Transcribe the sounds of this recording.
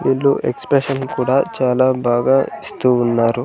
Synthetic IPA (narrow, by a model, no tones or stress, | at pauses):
ʋiːɭːuʔḛkspɾeʂɐnkuːɽaːt͡ʃaːlaːbaːɡaːist̪uːnːaːɾu